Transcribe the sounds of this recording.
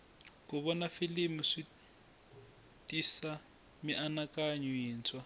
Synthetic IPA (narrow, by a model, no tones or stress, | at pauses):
kuβɔnafilimuʂi | tʼisa | miʔanakʼaɲuiːnt͡sʰʼwa